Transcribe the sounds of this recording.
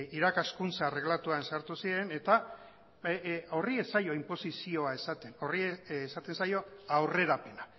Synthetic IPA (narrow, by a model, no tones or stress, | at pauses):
iɾakaskunt͡sare̞ɣlat̪uansaɾt̪usiɾe̞ne̞t̪a | o̞rie̞sajo̞impo̞sisio̞ae̞sat̪e̞no̞riesat̪e̞nsajo̞awre̞ɾape̞na